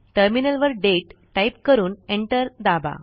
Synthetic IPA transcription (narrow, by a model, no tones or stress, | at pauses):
ʈəɾminəlʋəɾɖeʈʈːajp̚kəɾuːneɳʈəɾd̪aba̰